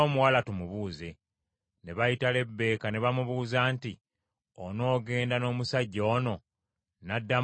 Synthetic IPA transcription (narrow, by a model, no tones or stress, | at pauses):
oːmuwalatumuβuːze̞ | ne̞βajitale̞bːe̞ːkane̞βamuβuːzaːnti | ono̞ːɡe̞ːndano̞ːmusaɟːoːno̞ | nadːa